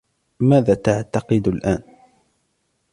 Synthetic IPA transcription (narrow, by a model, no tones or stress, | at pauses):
maːðaːt̪aʕt̪ɑqɨd̪alʔaːn